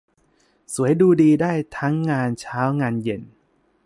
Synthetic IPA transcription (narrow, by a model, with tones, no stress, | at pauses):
su˩˦əjduː˧diː˧daː˥˩jt̪ʰa˦˥ŋːaː˧nt͡ɕʰaː˦˥wŋaː˧nje˨˩n